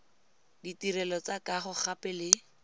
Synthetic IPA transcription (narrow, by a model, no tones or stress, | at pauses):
ditiɾɛlɔt͡sakaχʊχapɛlɪ